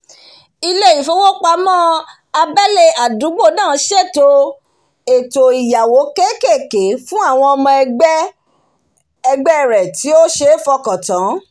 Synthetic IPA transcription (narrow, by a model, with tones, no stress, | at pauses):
i˧le˦˨ji˨˦fo˦wo˦k͡pa˧mɔ̃˦ | a˧bɛ˦le˦˧a˨du˨˦ɡ͡bo˦˨nãː˦˨˧ʃe˦˨to˧ | e˨to˨i˨ja˨wo˨˦ke˦ke˦˨ke˨˦fũ˦a˦˨w̃ɔ̃˧ɔ˧mɔ̃˧ɛ˧ɡ͡bɛ˦ | ɛ˧ɡ͡bɛ˦˨ɾɛ˨ti˨˦o˦ʃe˧˦fɔ˧kɔ̃˨tã˨˦